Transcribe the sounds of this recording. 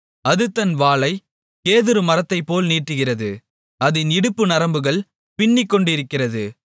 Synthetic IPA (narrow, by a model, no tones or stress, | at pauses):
ɐðɯt̪ːɐnʋaːlɐɪ | keːðɯɾɯmɐɾɐt̪ːɐɪpːoːlniːʈːɯɣɪrɐðɯ | ɐðɪnɪɽɯpːɯnɐɾɐmbɯɣɐɭ | pɪɳːɪkːɔɳɖɪɾɯkːɪrɐðɯ